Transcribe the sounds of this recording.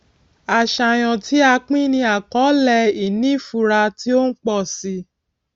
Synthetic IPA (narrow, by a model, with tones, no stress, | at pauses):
a˨ʃa˨j̃ɔ̃˨ti˦a˧k͡pĩ˦nĩ˧˦a˨kɔ˨˦lɛ˧i˨nĩ˦˨fu˧˨ɾa˧ti˦o˦n̩˦k͡pɔ˦˨si˧